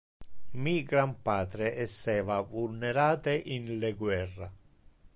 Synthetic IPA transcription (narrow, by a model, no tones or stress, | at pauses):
miːɡɾampaːt̪ɾeʔɛsːɛːvavulneɾaːt̪eʔinlɛɡwɛrːa